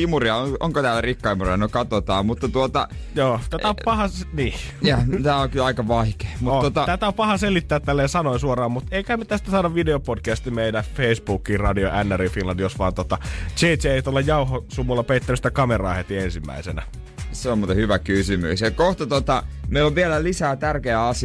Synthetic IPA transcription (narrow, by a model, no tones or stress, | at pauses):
imuriɑooŋkot̪æːlːærikːɑimuriɑnykɑt̪ot̪ɑːmmut̪ːɑt̪uot̪ɑ̰ | joːt̪ææoppɑhɑniːjɑt̪æːokylɑikɑʋɑike̥ːmutot̪ot̪ɑt̪æt̪æopɑhɑselit̪ːæːt̪t̪ælːeːsɑnoisuorɑːmmut̪eikæhæmːet̪æst̪æsɑːdɑʋʋideopodkæst̪imeidæfeˑisbuːkːˑiːrɑdioʔænːærifinlɑndijosʋɑːnt̪ot̪ɑt͡ʃeːteeˑit̪uolːɑjjɑuhosumːulːɑpeit̪ːænyst̪ækɑmerɑˑːhet̪iensimːæ̰ˑisḛnæ̰ | seomot̪ehyʋækysymy̰sjɑkoht̪ɑt̪ot̪ɑmeˑiloʋʋielælisæːt̪ærkeæɑsi